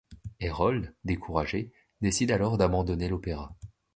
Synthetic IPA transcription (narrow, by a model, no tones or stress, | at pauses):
eʁɔld̪ekʰuʁaʒe | d̪esid̪alɔʁd̪abɑ̃d̪ɔnelɔpeʁa